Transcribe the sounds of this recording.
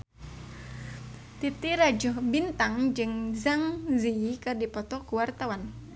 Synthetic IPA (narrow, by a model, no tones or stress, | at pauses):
t̪it̪iɾad͡ʒɔhbint̪aŋd͡ʒɨŋzaŋzikɨrdipɔt̪ɔkuwart̪awan